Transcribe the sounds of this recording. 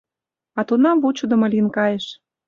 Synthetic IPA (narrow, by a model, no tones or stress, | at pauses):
ɑt̪unɑmvut͡ɕud̪ə̆mɤ̆lʲinkɑjeʃ